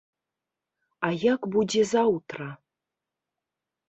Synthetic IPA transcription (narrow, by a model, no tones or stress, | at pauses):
ajakbudʲezawt̪ra